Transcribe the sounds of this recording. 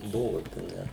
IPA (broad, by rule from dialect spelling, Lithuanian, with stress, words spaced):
ˈbʊʋoːt ɐ ˈnʲɛ